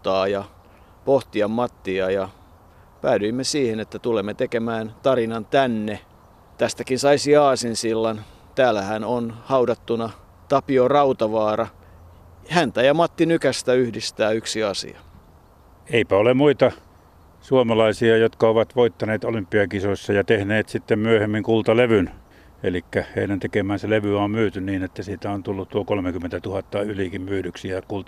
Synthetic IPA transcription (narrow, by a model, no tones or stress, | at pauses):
t̪ːɑːjɑ | poht̪iɑmmɑt̪ːiɑjɑ | pæːdyimːesiːhenet̪ːæt̪ulemːet̪ekemæːnt̪ɑrinɑnt̪ænːe | t̪æst̪ækinsɑisiɑːsinsilːɑn | t̪æːlːæhænonhɑudɑt̪ːunɑ | t̪ɑpiorɑut̪ɑʋɑːrɑ | hænt̪æjɑmɑt̪ːinykæst̪æyhdist̪æːyksiɑsḭɑ̰ | eipæolemmuit̪ɑ | suomɑlɑisiɑjot̪kɑoʋɑt̪ʋoit̪ːɑneːt̪olympːˑiɑkisosːɑjɑt̪ehneːt̪sit̪ːemmyøhemːiŋkult̪ɑleʋyn | elikːæheinent̪ekemæːnseleʋyɑːmmyːt̪ynniːnet̪ːæsiːt̪æont̪ulːut̪t̪uokolmekymːˑent̪æt̪uhɑt̪ːɑylikimmyːɾyksiækult̪